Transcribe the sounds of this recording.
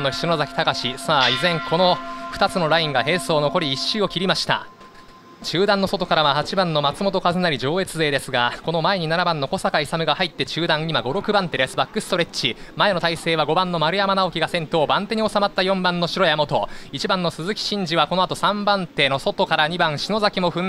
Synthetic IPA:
nːo̞ç̥ʲsinozakʲi̥t̪akaɕisaːizẽ̞ŋkʰo̞no̞ɸɯ̥t̪at͡sɨno̞ɾaĩŋɡaɦe̞ːso̞ːno̞ko̞ɾʲiːɕːɨːo̞kʲiɾʲimaɕi̥t̪a̰ | t͡ɕɨːd̪ãnːo̞so̞t̪o̞kaɾaβahat͡ɕibãnːo̞mat͡sɨmo̞t̪o̞kazɨnaɾʲid͡ʑo̞ːe̞t͡sɨze̞ːd̪e̞sɨɡako̞no̞mae̞ɲ̟inanabãnːo̞ko̞sakaisamɯ̟ɡahait̪ːe̞t͡ɕɨːd̪ãŋimaɡo̞ɾo̞kɯ̟bãnt̪e̞ɾesɨbakːɯ̟sɨ̥t̪o̞ɾe̞t͡ɕimae̞no̞t̪aise̞ːβ̞aɡo̞bãnːo̞maɾɯ̟jamanao̞kʲiɡasẽ̞nt̪o̞ːbãnt̪e̞ɲ̟io̞samat̪ːajõ̞mbãnːo̞ɕiɾo̞jamo̞t̪o̞it͡ɕibãnːosɨzɨkʲi̥ɕĩɲ̟d͡ʑiβako̞noat̪o̞sãmbãnt̪e̞no̞so̞t̪o̞kaɾaɲ̟ibãɰ̃ɕino̞zakʲimo̞ɸɯ̟̃

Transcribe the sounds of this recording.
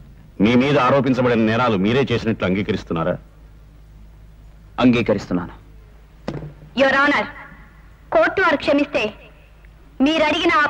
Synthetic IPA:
miːmiːd̪ɐaːɾoːp̬iɲt͡ʃɐbɐɽinɐnɛːnaːlumiːɾe̞ːt͡ʃe̞ːsinɐʈluɐŋɡiːkɐɾist̪unːaːɾa̰ː | ɐŋɡiːkɐɾist̪unːaːnu | joɾaːnɐɾ | koːʈːuʋɐɾkʂɐmist̪e̞ː | miːɾɐɽiɡinɐ

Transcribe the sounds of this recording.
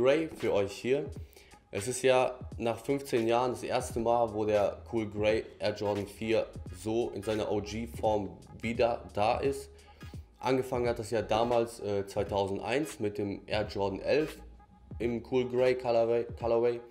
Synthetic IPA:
ʁeɪfyːɐʔɔʏçhiːɐ | ʔɛsɪstjaːnaːχfʏnft͡seːnjaːʁəndasʔḛːɐstəmaːlvoːdeːɐkʰuːlɡʁeɪʔɛɐd͡ʒɔɐdn̩fiːɐzoːʔɪ̰nzaɪnɐʔod͡ʒiːfɔɐm | viːdɐd̥aːʔɪst | ʔa̰nɡəfaŋənhat̚d̥aseːdaːmaːlsʔɛːt͡sv̥aɪtʰaʊzn̩tʔa̰ɪnt͡smɪt̚d̥eːmʔɛɐd͡ʒɔɐdn̩ʔɛlf | ʔɪmkʰuːlɡʁeɪkʰalɐweɪ

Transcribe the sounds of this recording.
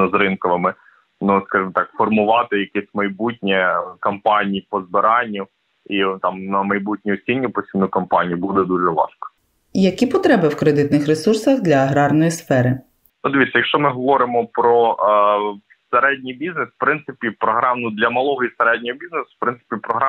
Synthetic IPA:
zɾɪnkɔʋɪmɪ | nuskɑʒɪmɔt̪ɑkfɔrmʊʋɑt̪ɪjɐkɛsʲmɐjbutʲnʲɛkɐmpɑnʲijipɔzbɪɾɑnʲːʊ | it̪ɑmnɐmɐjbutʲnʲiɔsʲinʲːipɔsʲinʊjkɐmpɑnʲijubud̪ɛd̪uʒɛʋɑ̰ʃkɔ̥ | jɐkʲipɔt̪ɾɛbɪwkɾed̪ɪt̪nɪxɾesursɐxd̪lʲɐːɦɾɑrnɔjisfɛɾɪ | ud̪ɪʋʲit̪sʲɐjɐkʃt͡ʃɔmɪɦɔʋɔɾɪmɔpɾɔ | seɾɛdʲnʲijbʲiznesw̥pɾɪnt̪ɪpʲipɾɔɦɾɑmnʊd̪lʲɐmɐlˠɔɦɔiseɾɛd̚ʲnʲɔɦɔbʲiznesʊ̥w̥pɾɪnsɪ̥pʲipɾɔɦɾɑ

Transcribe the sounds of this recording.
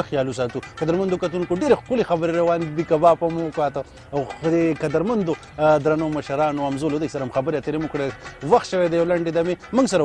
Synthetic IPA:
axjɑlus̬ɑt̪ukad̪aɾmand̪okat̪unkoɖeɾexkʊlexabəɾeɾawɑnd̪ikabɑpamokat̪a | wd̪ekad̪aɾmand̪o | d̪ɾanomɐʃɐɾɑnoɐmzolod̪asɐɾamxɐbəɾeat̪eɾemukɽeewaxt̪ʃəwed̪ajawlaɳɖed̪amemuŋɡsɐɾa

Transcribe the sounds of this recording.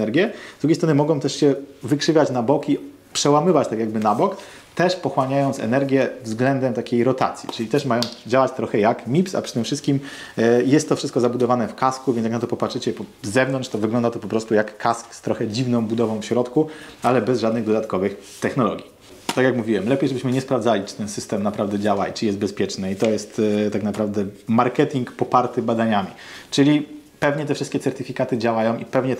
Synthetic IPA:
ɛɾɡʲjɛzd̪ɾuɡʲejst̪ɾɔnɘmɔɡɔ̃w̃t̪ɛʂɕɛvɘkʂɘvʲjat͡ɕnabɔki | pʂɛwamɘvat͡ɕt̪akʲjaɡbɘnabɔk | t̪ɛʂpɔxwaɲajɔnt̪sɛ̰nɛɾɡʲjɛvzɡlɛnd̪ɛmt̪akʲejɾɔt̪a̰t̪sʲjḭt͡ʂɘlʲit̪ɛʂmajɔ̃w̃d͡ʑawat͡ɕt̪ɾɔxɛjakmʲipsa̰pʂɘt̪ɘmfʂɘst̪̚kʲim | jɛst̪ːɔfʂɘst̪̚kɔzabud̪ɔvanɛfkaskuvʲjnjaknat̪ɔpɔpatʂɘt͡ɕɛpɔzɛvnɔntʂt̪ɔvɘɡlɔnd̪at̪ɔpɔpɾɔst̪ujakːaskst̪ɾɔxɛd͡ʑivnɔ̃w̃bud̪ɔvɔ̃w̃fɕɾɔt̪kualɛbɛzʐad̪nɘɣd̪ɔd̪at̪kɔvɘxt̪ɛxnɔlɔ̰ɡʲi | t̪akʲjakmuvʲiwɛmlɛpʲjejʐɛbɘɕmɘɲɛspɾavd̪zalʲit͡ʂɘ̥t̪ɛnsɘst̪ɛmnapɾavd̪ɛd͡ʑawait͡ʂɘjɛst̪bɛspʲjɛt͡ʂnɛit̪ɔjɛst̪t̪aknapɾavd̪ɛmaɾkɛt̪ʲiŋkpɔpaɾt̪ɘbad̪aɲamʲḭt͡ʂɘlʲi | pɛvɲɛt̪ɛfʂɘst̪kʲɛt̪sɛɾt̪ɘfʲikat̪ɘd͡ʑawajɔ̃w̃ʔipɛvɲɛ

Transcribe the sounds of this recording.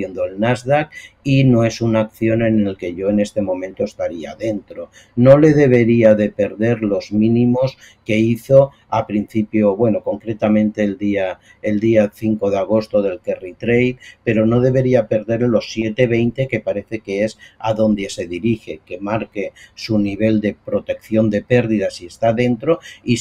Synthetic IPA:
end̪oelnazðakino̞e̞sunakθjo̞ne̞nelke̞ʝo̞ene̞st̪e̞mõ̞mẽnt̪oest̪aɾiaðe̞nt̪ɾo̞ | no̞le̞ð̞e̞β̞e̞ɾiaðe̞pe̞ɾðe̞ɾlo̞zmĩnĩmo̞ske̞iθo̞ | apɾin̟θipjo̞βwe̞no̞ko̞ŋkɾe̞t̪amẽ̞nt̪e̞ːld̪ia | eld̪iaθiŋko̞ð̞eaɣ̞o̞st̪oðe̞lkerit̪ɾejt̪pe̞ɾo̞no̞ð̞e̞β̞e̞ɾiape̞ɾðe̞ɾlo̞sːjet̪eβe̞jnt̪e̞ke̞paɾe̞θe̞keesaðo̞nd̪e̞se̞ðiɾixe̞ke̞maɾkesuniβ̞e̞ld̪e̞pɾo̞t̪e̞kθjo̞nd̪e̞pe̞ɾðiðasiest̪aðe̞nt̪ɾoi

